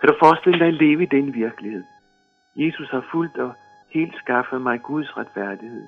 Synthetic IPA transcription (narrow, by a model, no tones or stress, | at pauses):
kʰæɾ̥ufɒːsd̥e̝l̰əd̥ɑ̈ɪle̝ːʋəid̥enʋiɐɡ̥əlihe̝ð̞̰ˠ | je̝ːsushɑ̈ful̰d̥ɒ̽ | he̝̰ːld̥sɡ̥ɑ̈fəð̩ˠmɑ̈ɪɡ̥uð̞ˠsʁad̥fæɐ̰d̥ihe̝ð̰ˠ